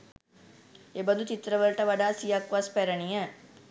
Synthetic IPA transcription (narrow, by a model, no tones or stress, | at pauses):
ebənd̪ut͡ʃit̪ɾəʋəlʈəʋaɖaːsijakʋaspæɾənijə